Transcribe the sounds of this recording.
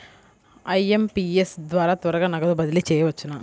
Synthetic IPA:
ɐjempiesd̪ʋaːɾaːt̪ɐɾɐɡaːnɐɡɐd̪ubɐd̪ilit͡ʃɛːjɐʋɐt͡ʃːunaː

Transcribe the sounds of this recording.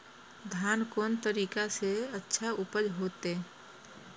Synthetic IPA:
d̪ʱjaːnkoːnt̪əɾiːkaseətːʃʰaʊpəd͡ʒɦoːt̪e

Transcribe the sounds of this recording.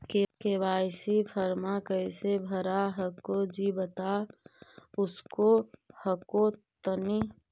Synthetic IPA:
kekebaːsipʰəɾmakəɪsebʱəɾaɦəkod͡ʒibət̪a | ʊskohəkot̪əni

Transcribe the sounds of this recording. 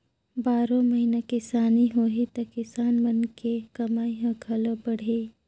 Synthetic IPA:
baːɾõmɐɦinakɪsaːniɦoːɦit̪ɐkɪsaːnmɐnkekɐmaːiɦõɡʰʱɐlobɐɽ̤eː

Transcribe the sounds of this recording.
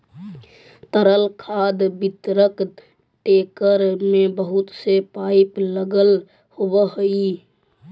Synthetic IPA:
t̪əɾəlkʰaːd̪bɪt̪ɾək | ʈeːkəɾmẽbəɦʊt̪sepaɪpləɡəl | hobəɦoi

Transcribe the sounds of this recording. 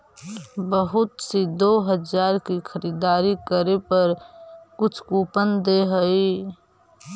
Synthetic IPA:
bəɦʊt̪sid̪oɦəd͡ʒaːɾkixʰəɾiːd̪aːɾikəɾepəɾkʊt͡ʃʰkuːpənd̪eɦəi

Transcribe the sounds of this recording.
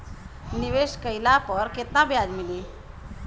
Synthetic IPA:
niʋeɕkəjlapəɾket̪nabjad͡zmili

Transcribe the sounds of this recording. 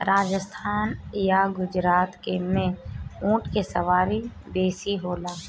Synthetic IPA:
ɾʔaːd͡ʒəst̪ʰaːnjaɡʊd͡ʒɾaːt̪kemẽũːʈkesəʋaːɾi | beːsiɦoːlaː

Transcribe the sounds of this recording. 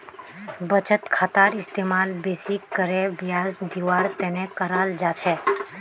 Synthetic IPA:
bət͡ʃət̪kʰaːt̪aːɾɪst̪eːmaːlbesikːəɾebjaːzd̪iʋaːɾt̪ɛnekəɾaːld͡ʒat͡ʃʰɛ

